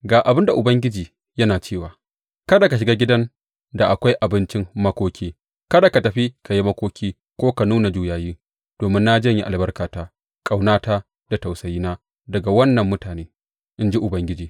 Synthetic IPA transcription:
ɡaː˨ʔa˨bɪ˦nda˨ʔʊ˨bɐ˦ŋɡʲɪ˦d͡ʒiː˨ | jɐ˦naː˨t͡ʃeː˦˨waː˨ | kɐ˦da˨ka˨ʃ̬ɪ˨ɡa˦ɡʲɪ˦dɐ˦n | da˨ʔa˨kʷa˦jʔa˨bɪ˦nt͡ʃɪ˦mmɐ˦kʷoː˦kʲiː˦ | kɐ˦da˨ka˨tɐ˨ɸi˦kʰa˨ji˦mɐ˦kʷoː˦kʲiː˦ | kʷoː˦ka˨nuː˦na˨d͡ʒuː˦jaː˨jiː˦ | d̥oː˨mɪ˦nːa˦d͡ʒɐ˦ɲji˦ʔa˨lbɐ˦rkaː˨taː˦ | kʼa˨wnaː˦taː˦ | d̥a˨ta˨wsɐ˨jiː˦naː˦ | dɐ˨ɡa˨wɐ˦nːɐ˨mːʊ˦taː˨neː˦ | ʔɪ˦nd͡ʒi˦ʔʊ˨bɐ˦ŋɡʲɪ˦d͡ʒiː˨

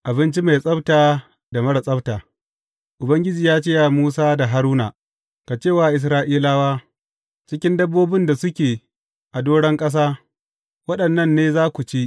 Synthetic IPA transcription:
ʔa˨bɪ˦nt͡ʃi˦ma˨jsʼɐ˦btaː˨ | da˨mɐ˦ɽɐ˨sʼɐ˦btaː˨ | ʔʊ˨bɐ˦ŋɡʲɪ˦d͡ʒiː˨jaː˦t͡ʃe˦ja˨muː˦saː˦da˨ɦa˦ɾuː˦na̰˨ | ka˨t͡ʃeː˦˨waː˨ʔɪ˨s̬ɾaː˦ʔiː˦laː˦waː˦ | t͡ʃɪ˦kʲɪ˦ndɐ˦bːoː˦bɪ˦nda˨sʊ˦kʲeː˨ | ʔa˨doː˦ɽɛ˦ŋkʼɐ˦s̬aː˦ | wɐ˦ɗɐ˨nːɐ˦nːeː˦zaː˦kʷu˨t͡ʃi˦ʔ

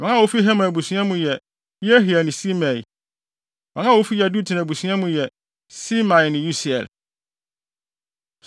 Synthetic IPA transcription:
mɛ̃˨˦ã˦˨wo˦fi˦ɦɛ˦mã˨bu˨sĩ˦ã˦mũ˨jɛ˨ | ji˦æ˦ɦi˨æ˨nɪ̃˨si˦mæ̃˨i˨ | mã˨˦ã˦˨o˦fi˦jɛ˨du˦tʰɪ˨nã˨bu˨sɥ̃ã˦mũ˨jɛ˨ | si˦mã˨nɪ̃˨ju˦si˨ɛ̰˨l

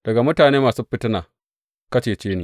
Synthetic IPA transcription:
d̥ɐ˨ɡa˨mʊ˦taː˨neː˦maː˨suː˦ɸɪ˦tɪ˦naː˨ | kɐ˦t͡ʃeː˨t͡ʃeː˦neː˨

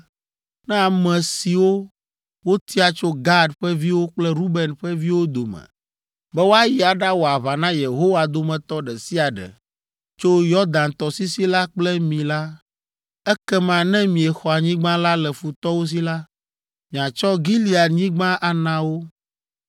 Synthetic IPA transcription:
nɛ̃˦a˨mɛ̃˨si˨wo˦ | wo˦t̪ʰi˦a˨t͡ʃo˦ɡa˦ɖɸɛ˦vi˦wo˦k͡plɛ˦ɾu˦bɛ˨nɸɛ˦vi˦wo˦d̪o˨mɛ̰̃˨ | bɛ˦wo˦a˦ji˨a˨ɖa˦wo˨a˨βa˨nã˦je˨ɦo˦wa˨d̪o˦mɛ̃˨t̪ɔ˦ɖɛ˨si˦a˨ɖɛ̰˨ | t͡ʃo˦jɔ˦d̪ã˨nt̪ɔ˨si˦si˦la˦k͡plɛ˦mĩ˨la˦ | ɛ˦kɛ˦mã˨nɛ̃˦mĩ˨ɛ˨xɔ˨a˨ɲĩ˦ɡ͡bã˦la˦lɛ˨fu˨t̪ɔ˦wo˦s̬i˦la˦ | mĩ˨ã˨t͡ʃɔ˦ɡi˦li˨˦a˨ɲĩ˦ɡ͡bã˦ʔa˨nã˨˦wo˦

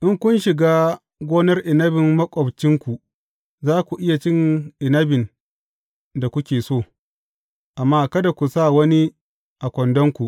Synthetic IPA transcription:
ʔɪ˦ŋkʷʊ˦nʃɪ˨ɡaː˦ | ɡʷoː˦nɐ˦rʔɪ˨nɐ˦bɪ˨mːɐ˦kʷʼɔ˨bt͡ʃɪ˦ŋkʷu˨ | zaː˦kʷu˨ʔɪ˦ja˨t͡ʃɪ˦ŋʔɪ˨nɐ˦bɪ˨n | da˨kʷʊ˦kʲeː˨soː˦˨ | ʔa˨mːaː˦kɐ˦da˨kʷu˨sa˦˨wɐ˦ni˦ | ʔa˨kʷɔ˨ndɔ˦ŋkʷu˨ʔ

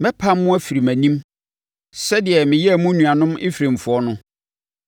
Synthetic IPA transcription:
mɛ̃˦pʰa˦mːʊ̃˦æ˦fi˨ɾi˨mæ̃˨nĩ˦m | sɛ˦dɪ˨ɛ˨mɪ̃˨jɛ˦˨mʊ̃˦nũ˨a˨nʊ̃˦mɪ˦fɾẽ˨m̩˨fʊ˨˦ɔ˦nʊ̃˦

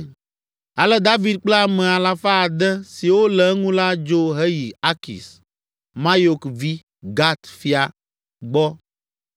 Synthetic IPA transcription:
a˨lɛ˦d̪a˦vi˦d̪̚k͡pla˦mɛ̃˨a˨la˨fa˦˨d̪ɛ˦si˨wo˦lɛ˨˦ŋũ˦la˦d͡ʒo˦ɦɛ˦ji˨a˦kḭ˨s | mã˦jo˨kvi˦ | ɡa˦t̪fi˦a˨ | ɡ͡bɔ˦

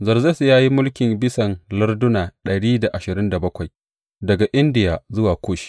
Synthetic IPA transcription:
zɐ˨rzɐ˦sjaː˦ji˦mʊ˦lkʲɪ˨mbɪ˦sɐ˨nlɐ˦rdʊ˦naː˨ɗɐ˨ɽiː˦da˨ʔa˨ʃɪ˨ɾɪ˦nda˨bɐ˦kʷa˨j | dɐ˨ɡa˨ʔɪ˦ndɪ˨jaː˨zʊ˦waː˨kʷʰoː˦ʃi̥˦

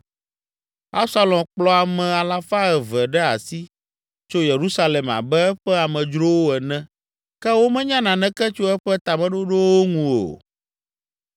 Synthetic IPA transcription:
a˦sa˦lɔ̃˨k͡plɔ˦a˨mɛ̃˨a˨la˦fa˦ɛ˨vɛ˨ɖɛ˦a˨si˦ | t͡ʃo˦je˨ɾu˦sa˦lɛ˨ma̰˨bɛ˦ɛ˦ɸɛ˦a˨mɛ̃˨d͡ʒɾo˦wo˦ɛ˨nɛ̃˦ | kɛ˦wo˦mɛ̃˦ɲã˦nã˨nɛ̃˦kɛ˦t͡ʃo˦ɛ˦ɸɛ˦t̪a˨mɛ̃˦ɖo˦ɖo˦wo˦ŋũ˨o̰˨

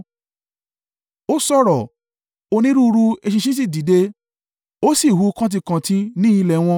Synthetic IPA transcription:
o˦sɔ˦˨ɾɔ˨ | o˧nĩ˦ɾu˦˧ɾu˧e˧ʃi˧ʃĩ˦s̬i˦˨di˨de˧ | o˦si˦˨hu˨˦˧kã˦t̬i˧kã˨tĩ˧˦nĩ˦i˧lɛ˨w̃ɔ̃˧

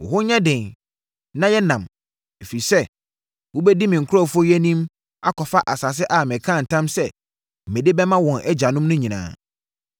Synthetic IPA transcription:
wʊ̰˨hʊ˦ɲɛ̃˦dɪ̃˨n | nã˦jɛ˦nã˨m | e˨fi˨sɛ˦ | wʊ˦bɛ˦di˦mɪ̃˨ŋ̩˨kʰʊ˦ɾɔ˦˨fɔ˦jɛ˦nĩ˦m | a˦kʰɔ˨fa˦ʔa˨sa˨s̬ɪ˦ʔa˨mɪ̃˨kʰã˦˨n̩˨tʰã˦msɛ˦ | m̩˨mẽ˨de˦bɛ˦mã˦wɔ̃˨nʔɛ˦d͡ʑa˨nʊ̃˦mnʊ̃˦ɲĩ˨nã̰ː˨

